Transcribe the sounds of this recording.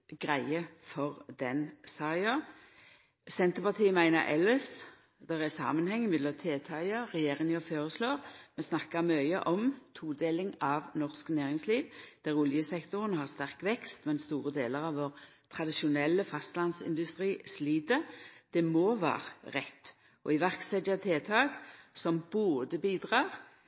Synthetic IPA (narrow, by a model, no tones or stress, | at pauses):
ɡʁæɪəfɔʁd̪ɛnsɑɪɑ | sɛnt̪əpɑt̪ʰiːmæɪnəʔɛ̰lɪs | d̪̥æʁæsɑ̰ːmənhɛŋːəmɛd̪lɑt̪ʰeːt̪ʰɑɑʁɛjeːʁɪnɔføːɾəsloːʁmɛsnɑkːəmœʏə̰ʔɔmt̪ʰuːd̪eːlɪŋɑʋnɔʁsknæːʁɪŋsliːʋd̪̥æʁʊljəsɛkt̪ʊʁənɦɑʁst̪æʁkʋɛkst̪mɛnst̪uːʁəd̪eːləʁɑʋʋoːʁ | t̪ʰʁɑd̪ɪʃʊnɛlːəfɑst̪lɑnsɪ̰nd̪ʉst̪ʁiːsliːd̪əd̪̥ɛmoːʋæ̰ːɾəɾɛt̪ː | ʔɔ̰ɪʋæʁksɛt̪jɑt̪ʰeːt̪ʰɑːɡsɔmboːd̪əbiːd̪ʁɑːʁ